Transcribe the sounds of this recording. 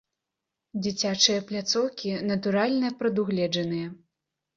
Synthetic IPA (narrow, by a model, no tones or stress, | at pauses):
d͡zʲit͡sʲat͡ʂɨjɐplʲat̪sɔwkʲinɐt̪uɾalʲnɐpɾɐd̪uɣlʲɛd͡ʐɐn̪ɨjɐ